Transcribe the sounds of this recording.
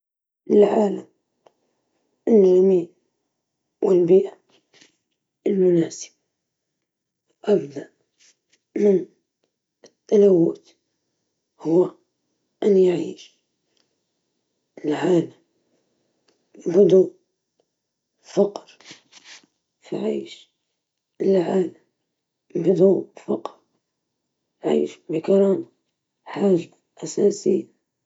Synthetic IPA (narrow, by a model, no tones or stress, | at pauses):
ɪlʕaːlam | ʔɪnːamiːn | wɪlbiːʕ | ɪlmʊnaːsɪ̥b̥̚ | wʔabd̪aʔ | mɪn | ɪt̪ːanawːʊt̪ | hʊwːa | ʔanjaʕiːʃ | lʕaːla | bɪd̪u | fɑqɾ | fḭʕiːʃ | lʕaːla | bɪd̪ufɑqɾ | ʕḭːʃbɪkɑɾˤɑːma | ħaːʒa | ʔasaːsɪjːa